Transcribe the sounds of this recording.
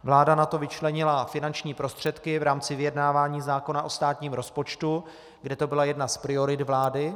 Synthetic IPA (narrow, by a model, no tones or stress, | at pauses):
vlaːdanat̪o̞vɪt͡ʃlɛɲɪlafɪnant͡ʃɲiːpɾo̞st̪r̝̥ɛt̪kɪvɾaːmt͡sɪvɪjɛdnaːvaːɲiːzaːko̞naʔo̞st̪aːt̪ɲiːmɾo̞spo̞t͡ʃt̪u | ɡdɛt̪o̞bɪlajɛdnaspɾɪo̞ɾɪt̪vlaːdɪ